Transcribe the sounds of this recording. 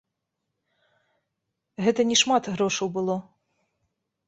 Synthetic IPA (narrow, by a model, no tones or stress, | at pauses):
ɦɛt̪ɐnʲiʃmɑt̪ɣɾoʃɐwbɨlˠo